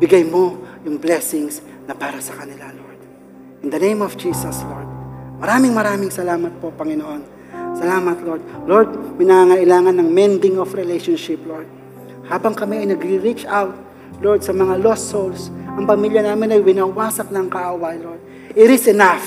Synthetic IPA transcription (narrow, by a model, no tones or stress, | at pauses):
bɪɡajmo̞jʊŋblɛsɪŋs | nɐpaːɾɐsɐkɐnɪlaloɹd̪̥̚ | ʔɪnd̪ɐnẽjmɔvd͡ʒiːsɐsloɹd̪̚mɐɾaːmɪŋmɐɾaːmɪŋsɐlaːmɐt̪̚po̞pɐŋɪnoʔon | sɐlaːmɐt̪lo̞ɹd̪̚loɹd̪̚mɐɪjnɐŋaːŋɐʔɪlaːŋɐnːɐŋmɛnd̪ɪŋofɾɛlejʃonʃɪploɹd̪̚ | haːbɐŋkɐmɛɐjnɐɡɾiɾit͡ʃawt̪̚ | loɹd̪̚sɐmɐŋalost̪ːowlsʔɐŋpɐmiljɐnaːmɪnɐjwɪnawaːsɐk̚nɐŋkaʔowajloɹd̪̚ | ʔɪɾɪsɛnaf